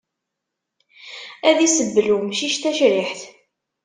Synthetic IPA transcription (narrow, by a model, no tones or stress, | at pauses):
æðisəbːlumʃiʃt̪æʃɾiħθ